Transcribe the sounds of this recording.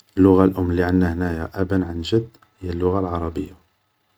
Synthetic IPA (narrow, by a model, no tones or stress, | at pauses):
lːʊɣalʔʊmːlːiʕanːæhnæjaʔæbənʕanʒəd̪ː | həjːælːʊɣalʕɑɾˤɑbəjːa